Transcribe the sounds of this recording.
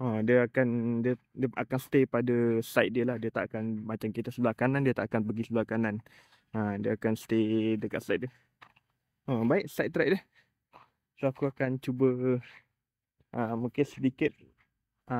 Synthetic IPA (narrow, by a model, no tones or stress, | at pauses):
ʔodiəakandiə | diəakansə̥t̪epadəsaɪt̪̚diəlahdiət̪aʔkanmat͡ʃamkit̪əsəbəlakanãndiət̪aʔakanbəɡisəbəlakanan | ədiəakansə̥t̪edəkaʔsajt̪̚diə | əbaɪʔsaɪt̪̚t̪ɾajʔ̚dəh | soakuakant͡ʃubə | ʔəmũkɪnsədikɪt̪̚ | ə